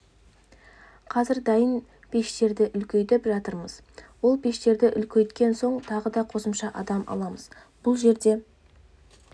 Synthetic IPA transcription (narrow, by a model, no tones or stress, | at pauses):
qʰɑzɪɾd̪ɑjən | pʰe̞ʃt̪e̞ɾd̪ɪʔʏlkʲejt̪ɪpʒɑt̪əɾməz | wo̞lˠbe̞ʃt̪e̞ɾd̪ɪʔʏlkʲʰejt̪kʲe̞nso̞ɴt̪ʰɑʁəd̪ɑqʰo̞səmʃɑʔɑd̪ɑmʔɑ̰lˠɑməz̥ | b̥ʊlˠʒe̞ɾd̪e̞